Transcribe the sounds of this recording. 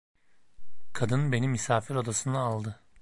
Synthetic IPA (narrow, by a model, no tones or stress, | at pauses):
kʰad̪ɯnbe̞nimisaːfiɾo̞d̪asɯnaaːlˠd̪ɯ